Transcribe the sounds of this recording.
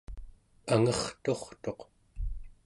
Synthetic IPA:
aŋʌχt̪o̞χt̪o̞q

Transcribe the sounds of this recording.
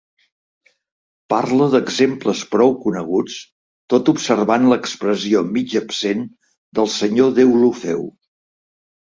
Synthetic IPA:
parləðəɡzempləspɾɔwkunəɣut͡s | t̪ot̪upsərβanləkspɾəziomid͡ʒəpsen | d̪əlˠsəɲoðewlufɛ̰w

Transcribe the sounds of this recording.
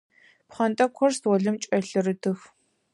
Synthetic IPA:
pχɐnt̪ʼɐkʷʰɔrstwɔɮɨmt͡ʃʼɛɮɨrɨtɨx

